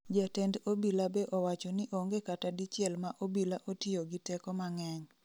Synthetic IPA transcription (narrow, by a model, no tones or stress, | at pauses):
d͡ʒatɛndobilabeʔɔwat͡ʃɔnɪʔoŋɡekatadit͡ʃɪɛlmaʔobilaʔotioɡɪtɛkɔmaŋɛɲ